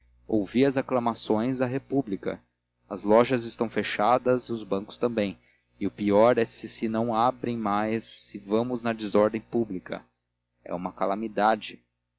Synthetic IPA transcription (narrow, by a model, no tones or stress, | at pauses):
owviɐzaklamasõj̃zɐɦepublikɐ̰ | ɐzlɔʒɐzɪst̪ɐ̃w̃feʃad̪ɐzʊzbɐ̃kʊ̥st̪ɐ̃mbẽj̃ | ɪʊpiɔɾɛsɪsɪnɐ̃w̃abɾẽj̃majsːɪvɐ̃mʊznɐd̪ɪzɔɾd̪ẽj̃publikɐ̰ | ɛ̰ṵ̃mɐkalamid̪ad͡ʒɪ